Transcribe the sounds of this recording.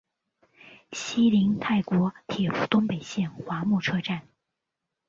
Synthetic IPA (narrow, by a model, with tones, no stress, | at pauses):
ɕi˥li˧˥ŋt̪ʰa˥˩ɪkwɔ˧˥t̪ʰjɛ˨˩fu˧˥t̪ʊ˥ŋpe˨˩ɪɕjɛ˥˩nxwa˧˥mu˥˩ʈ͡ʂʰɤ˥ʈ͡ʂa˥˩n